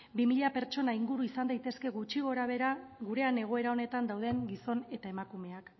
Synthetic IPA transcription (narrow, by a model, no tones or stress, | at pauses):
bimiʎape̞ɾt͡ʃo̞naiŋɡuɾuisand̪ajt̪e̞ske̞ɣut͡ʃiɣ̞o̞ɾaβ̞e̞ɾaɣuɾe̞ane̞ɣ̞o̞e̞ɾao̞ne̞t̪and̪awðe̞ŋɡiso̞ne̞t̪ae̞makume̞ak